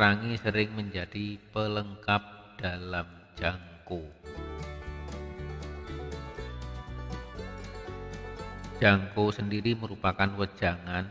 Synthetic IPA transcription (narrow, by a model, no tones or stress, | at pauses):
ɾaŋisəɾɪŋməɲd͡ʒad̥ipələŋkap̚d̥alam | d͡ʒaŋko | d͡ʒaŋkosəndiɾiməɾupakanwə̥d͡ʒ̥aŋan